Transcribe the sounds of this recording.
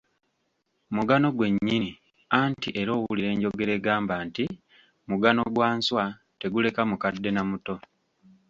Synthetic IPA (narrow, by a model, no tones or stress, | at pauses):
muɡano̞ɡwe̞ɲːini | antiʔe̞ɾo̞ːwuliɾe̞ːɲɟo̞ɡe̞ɾeːɡaːmbaːnti | muɡano̞ɡwaːnswa | te̞ɡule̞kamukadːe̞namuto̞